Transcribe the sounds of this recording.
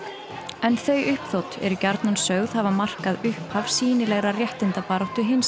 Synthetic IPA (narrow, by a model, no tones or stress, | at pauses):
ɛnθœɥʔʏhpθowt̪ɛ̰ɾʏcaɾt̪nansœɣð̥havamar̥kaðʏhphavsiːnɪlɛɣɾarjɛht̪ɪnt̪apaːɾowht̪ʏɦɪns